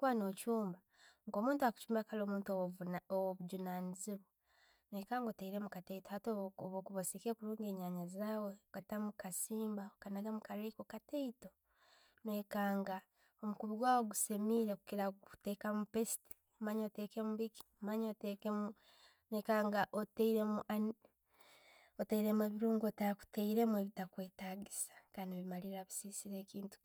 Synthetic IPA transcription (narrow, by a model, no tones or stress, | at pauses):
kuwanoːt͡ʃuːmba | ŋko̞ːmuːntuaku̥t͡ʃuːmbakalo̞ːmuːntowoβuɟunaːniziβo | nweːkaːŋɡoteiɾemukateitohatoβokuβosikekuɾuːŋɡeːɲaɲazaːweɡ̥atamukasiːmbaokanaɡamukaɾekokateito | nweːkaːŋɡa | omukuβiɡwaːwoɡusemiɾekukiɾatekamupesi̥ti̥ | maɲotekemuβiki̥maɲoteke | nekaːŋɡaʔoteiɾea | oteiɾe̞mweβiɾuːŋɡotaku̥teiɾe̞mwe̞βitakweːtaːɡisḁkaːndiβimaliɾaβisisiɾe̞ːkiːntu̥